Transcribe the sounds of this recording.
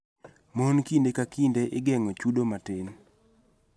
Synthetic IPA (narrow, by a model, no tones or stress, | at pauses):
monkindekakindeʔɪɡɛŋot͡ʃudomaten